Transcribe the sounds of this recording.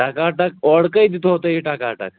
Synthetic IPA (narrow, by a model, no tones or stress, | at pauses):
ʈakaʈakɔɽkəid̪it̪ʰoɦot̪əɦiʈakaːʈa̰k̚